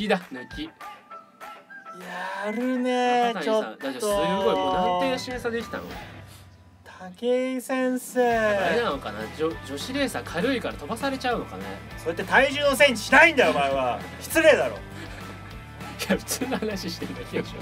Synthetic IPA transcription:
kʲid̪anɯ̟kʲi | jaɾɯ̟neaoad̪aaojɯɡoinãnt̪eːaɕiesad̪ekʲi̥t̪a̰no̰ | t̪ʰaakeisẽɰ̃seːananokana̰d͡ʑod͡ʑo̞ɕiɾe̞ːsakʰaɾɯ̟ikaɾat̪o̞basaɾe̞t͡ɕaɯ̟no̞ka̰nḛso̞et̪ːet̪aiʑɨːnos̬ẽ̞ɲiɕi̥naĩnd̪ajomaeβa | çʲi̥t͡sɨɾeːd̪aɾo̞̰ː | jaɸɯ̟̥t͡sɨːnohanaɕiɕi̥t̪eit̪akʲiaɕo̰

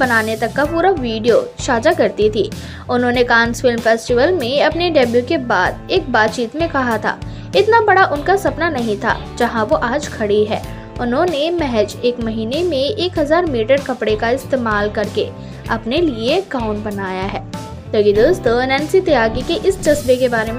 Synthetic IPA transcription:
bɐnaːnet̪ɐkːapuːɾaʋiːɖijoʃaːd͡ʒakɐɾt̪it̪ʰiː | ʊnɦõːnekãːnsfɪlmfɛːsʈɪʋəlmẽɐpneɖɛbjukebaːd̪eːk̚baːt̪̚t͡ʃiːt̪mẽkɐɦat̪ʰa̰ː | ɪt̪nabɐɽaʔʊnkasɐpnanɐɦĩt̪ʰa̰ː | d͡ʒɐɦãʋoʔaːd͡ʒkʰɐɽiɦɛː | ʊnɦõnemɛɦɛd͡ʒeːkmɐɦiːnemẽeːkɦɐzaːɾmiːʈəɾkɐpɽekaɪst̪eːmaːlkɐɾkḛ | ɐpnelieɡaːʊ̃ɳʈbɐnaːjaɦɛː | lɐɡid̪oːst̪onɛ̃ːnsit̪ɪjaːɡikeʔɪsd͡ʒɐsbekebaːɾem

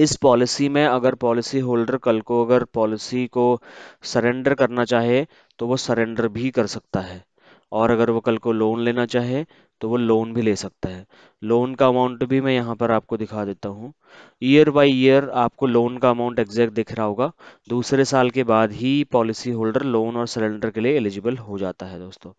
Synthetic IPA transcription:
ɪspɔːlɪsimẽɐɡəɾpɔːlɪsiɦoːlɖəɾkɐlkoɐɡəɾpɔːlɪsikosɐɾẽɳɖəɾkɐɾnat͡ʃaːɦie | t̪oʋosɐɾẽːɳɖəɾbʱikɐɾsɐk̚t̪aɦɛː | ɔːɾɐɡəɾʋokɐlkoloːnleːnat͡ʃaːɦie | t̪oʋoloːnbʱileːsɐk̚t̪aɦɛː | loːnkaɐmãːʊ̃ɳʈbʱimɛ̃jɐɦãpɐɾaːp̚kod̪ɪkʰad̪eːt̪aɦũ | iːəɾʋaːiijəɾaːp̚koloːnkaɐmaːʊ̃ɳʈeɡzɛːk̚ʈ̚d̪eːkʰɾaɦoːɡaːd̪uːsɾesaːlkebaːd̪ɦipɔːlɪsiɦoːlɖəɾloːnɔːɾsɐɾẽːɳɖəɾkelieːlɪd͡ʒɪbəlɦod͡ʒaːt̪aɦɛd̪oːst̪õː

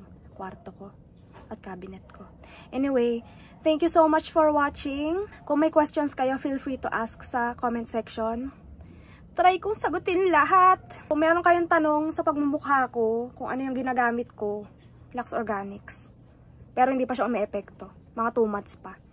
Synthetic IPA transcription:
kwaɾt̪oko | ʔɐt̪̚kaːbɪnɛt̪̚ko | ʔɛnɪwej | θɛŋkjusowmat͡ʃfɔɹwat͡ʃɪŋkʊŋmɐjkwɛst̪onskɐjofilfɹit̪ʊʔasksɐkomɛnt̪̚sɛkʃon | t̪ɾajkʊŋsɐɡʊt̪ɪnlɐɦat̪̚ʊŋmɛːɾonkɐjoŋt̪ɐno̞ŋsɐpɐɡ̚mɐmʊkhako̞kʊŋʔɐno̞jʊŋɡɪnaːɡaːmɪt̪̚ko | lɐksoɹɡaːnɪks | pɛːɾohɪnd̪iːpɐʃaʔʊmɛʔɛpɛk̚t̪o̞ | mɐŋat̪uːmɐt̪spɐ

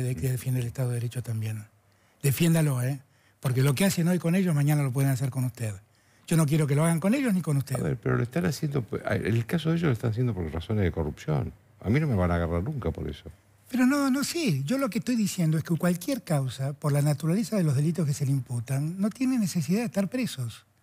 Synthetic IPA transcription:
eðekeeðefjend̪elest̪aðoðeɾet͡ʃot̪ambje̞n | d̪̥efje̞nd̪alo̞e | poɾk̬elo̞keaseno̞jko̞neʒo̞zmaɲanalopwe̞ð̞enas̬eɾkonust̪eð | ʒ̥o̞no̞kjeɾok̬eloaɣaŋko̞ne̞ʒo̞zniko̞nust̪eaðβḛɾpeɾoloest̪anasjend̪opa̰ḛlkas̬oðeʒoloest̪anas̬jend̪opoɾrasonezðekorupsjo̰n | a̰mino̞meβanaːɣaraɾnuŋkapo̞̰ɾḛso | peɾo̞nono̞siʒo̞lo̞k̬eht̪o̞jðisjend̪oekeukwalkjeɾkawsapoɾlanat̪uɾalesaðelozðe̞lit̪̬o̞skeseleimput̪anːo̞t̪je̞neneses̬iðaðeht̪aɾpɾesos

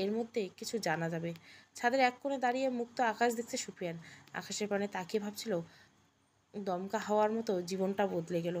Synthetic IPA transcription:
eɾmod̪ʱːekit͡ɕʰud͡ʑanad͡ʑabeʃʰad̪eɾɛkːoned̪aɾiemukt̪oakaʃd̪ek̚ʰt͡ɕʰeʃupɾijana̰kʰaʃeɾpanet̪akebʱab̚t͡ɕʰilo | d̪ɔmkaɦɔoaɾmɔt̪od͡ʑibonʈabod̪leɡelo

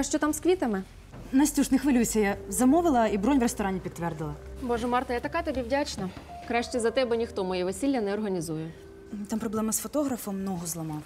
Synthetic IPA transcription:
ɐʃt͡ʃɔt̪amskʋʲit̪ɐmɪ | nɐsʲtʲuʒnɪxʋɪlʲujsʲɐjazɐmɔʋɪlˠɐibɾɔnʲʋrest̪ɔɾɑnʲipʲid̪ːʋɛrd̪ɪlˠɐbɔʒɛmɑrt̪ɐjat̪ɐkat̪ɔbʲiwdʲat͡ʃnɐkɾɑʃt͡ʃizɐt̪ɛbɛnʲixt̪ɔmɔjiʋesʲilʲːɐnɛɔrɦɐnʲizujʊ | t̪ɑmpɾɔblˠɛmɐsfɔt̪ɔɦɾɐfɔmːnɔɦɔzlˠɐmɑw

